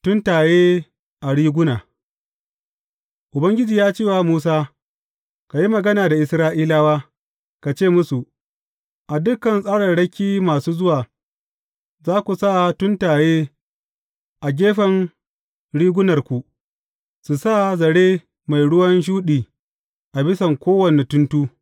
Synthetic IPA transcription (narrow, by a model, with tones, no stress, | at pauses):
tʊ˦ntaː˨jeː˦ | ʔa˨ɽiː˦ɡʷʊ˦naː˨ | ʔʊ˨bɐ˦ŋɡʲɪ˦d͡ʒiː˨jaː˦t͡ʃeː˦˨waː˨muː˦s̬aː˦ | ka˨ji˦mɐ˨ɡɐ˦naː˨da˨ʔɪ˨sɾaː˦ʔiː˦laː˦waː˦ | ka˨t͡ʃeː˦˨mʊ˦su˨ʔ | ʔa˨dʊ˦kːɐ˨nsʼaː˦ɽɐ˨nɽɐ˦kʲiː˦maː˨suː˦zʊ˦waː˨ | zaː˦kʷu˨sa˦˨tʊ˦ntaː˨jeː˦ | ʔa˨ɡʲeː˦ɸɐ˨n | ɽiː˦ɡʷʊ˦nɐ˨rkʷu˨ | su˨sa˦˨zɐ˨ɽeː˦ | ma˨jɽʊ˦wɐ˦nʃ̬uː˦ɗiː˨ | ʔa˨bɪ˦sɐ˨ŋkʷoː˦wɐ˨ne˨tʊ˦ntuː˦